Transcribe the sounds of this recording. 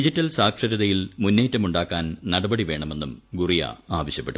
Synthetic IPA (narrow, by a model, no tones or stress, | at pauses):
id͡ʑitːɐlsaːkʂɐɾɐðɐjilmunːe̞ːtːɐmuɳɖaːkːaːnnɐɽɐbɐɽiʋe̞ːɳɐme̞nːumɡurija̰aːʋɐɕjɐpːe̞ʈːu